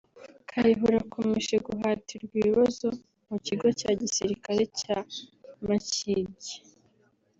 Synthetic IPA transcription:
kʰajiɦuɾakʰo̞me̞ʃe̞ɡuɦaːtiɾɡwiβazo̞ | muciɡo̞caːɟisiɾikaɾe̞camaciɟe

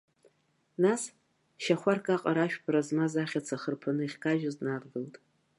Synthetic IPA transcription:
nas | ʃaχʷarkʼaqʼaɾaʃᶣbrazmazaχʲat͡sʰaχərpʰanɨiχʲkaʒᶣaznarɡɨltʼ

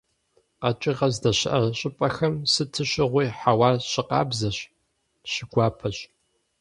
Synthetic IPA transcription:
qɐt͡ʃʼɪʁɐzdɐɕɪʔɐrɕʼɪpʼɐxɐmsɨtʰɨɕɪʁʷiːħawɑːrɕɪqɑ̰ːbzɐɕ | ɕɪɡʷɑːpʰɐɕ

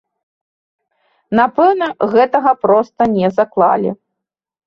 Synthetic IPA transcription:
napɛwnɐɣɛt̪ɐɣɐpɾɔst̪ɐnʲɛzaklˠa̰lʲḭ

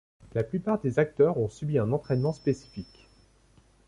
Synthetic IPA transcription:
laplypaʁd̪ezak̚t̪œʁɔ̃sybiɛ̃nɑ̃t̪χɛnmɑ̃spesi̥fik

